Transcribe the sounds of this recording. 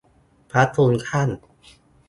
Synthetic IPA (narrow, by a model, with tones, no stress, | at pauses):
pʰɾa˦˥t̪ʰːuː˧nkʰa˥˩n